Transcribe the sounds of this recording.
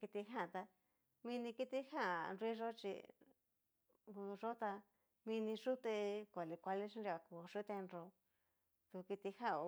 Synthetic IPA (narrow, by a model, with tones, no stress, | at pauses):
ki˧t̪i˧ɦã˦˨t̪a˧ | mĩ˧nĩ˧ki˦t̪i˦ha˦˨nɾi˦ʐo˦t͡ʃḭ˧ | ʐo˦t̪a˧ | mĩ˧nĩ˧ʂu˦t̪e˧kʷa˨li˧kʷa˧li˦ʂʃĩ˦nɾi˧a˧ku˧˨ʂu˦t̪e˧nɾo˧ | t̪u˧ki˧t̪i˧ha˦˨o˧